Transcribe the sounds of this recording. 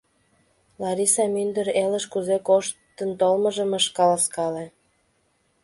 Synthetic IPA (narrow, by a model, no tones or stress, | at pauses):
lɑɾisɑmynd̪əɾeləʃkuzekoʃtt̪ːənt̪olməʒəməʃkɑlɑskɑle